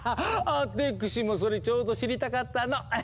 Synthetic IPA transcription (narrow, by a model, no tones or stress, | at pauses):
at̪ekɯ̟ɕimos̬o̞ɾet͡ɕo̞ːd̪o̞ɕiɾʲit̪akat̪ːano